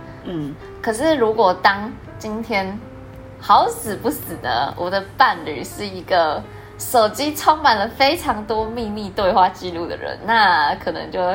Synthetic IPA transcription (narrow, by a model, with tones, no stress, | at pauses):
n̩˥˩ | kʰɤ˨˩ʂɻ̩˥˩ɻu˧˥kwɔ˨˩t̪ɑ˥ŋ | t͡ɕi˥nt̪ʰjɛ˥n | xɑ˧˦ʊsɹ̩˨˩pu˥˩sɹ̩˨˩nə̰˦wʔɔ˨˩d̪ə˦pa˥˩nly̰˨˩ʂɻ̩˥˩i˧˥ɡə˧ | ʂo˨˩ʊt͡ɕi˥ʈ͡ʂʰo˥ŋma˨˩nlə˦fe˥ɪʈ͡ʂʰɑ˧˥ŋt̪wɔ˥mi˥˧ni˥˧t̪we˥˧ɪxwa˥˧t͡ɕi˥˧lu˥˩d̪ə̰˨˩ɻə̰˧˦nna˥˩kʰɤ˨˩nɤ̰˧˦ŋt͡ɕjo˥˩ʊ